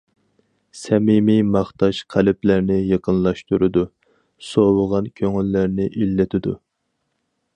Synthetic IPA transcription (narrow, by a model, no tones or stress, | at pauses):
sɛmimimɑχt̪ɑʃqʰælɪplæɾnɪjɑqʰənlˠɑʃt̪uɾɨd̪u | sowəʁɑnkʲʰøŋylːæɾnɪʔilːɪt̪ʰɪd̪u